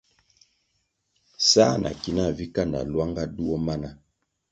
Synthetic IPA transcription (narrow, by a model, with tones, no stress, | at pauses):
sa˦nʔa̰˨ki˨na˦˨vi˦ka˦na̰˨lwa˦ŋɡa˦du˦ɔ˦ma˦na˦